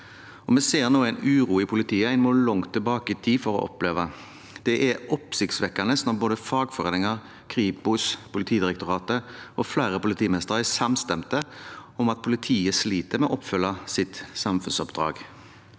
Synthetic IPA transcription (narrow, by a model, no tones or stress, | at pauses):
ɔmɛseːʁnoːæɪnʉːʁuːɪpʰʊlɪt̪ʰiːəæɪnmoːlɔŋt̪ʰːɪlbɑːkəɪt̪ʰiːfɔɾɔ̰ʔɔ̰pleːʋɑ | d̪̥ɛʔɛɔpsɪkt̪sʋɛkːɑnəsnɔboːd̪əfɑːɡfɔʁeːnɪŋɑʁ | kʰʁiːpʊspʰʊlɪt̪ʰiːd̪ɪɾɛkt̪ʊʁɑːt̪əɔflæːɾəpʊlɪt̪iːmɛst̪əʁæsɑmst̪ɛmt̪əɔmɑt̪̚pʰʊlɪt̪ʰiːəsliːt̪əɾmɛʔɔpːfʉlːɑsɪt̪sɑmfʉnsɔpd̪ɾɑ̰ːɡ